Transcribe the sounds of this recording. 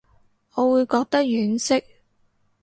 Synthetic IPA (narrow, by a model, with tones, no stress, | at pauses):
ɔː˨˧wuː˨˧jkɔː˧k̚t̪ɐ˥k̚jyː˨˥nsɪ˥k̚